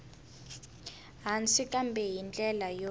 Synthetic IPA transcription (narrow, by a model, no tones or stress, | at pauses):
ɦant͡sikʼambʱɛjint͡ɬʼɛlajo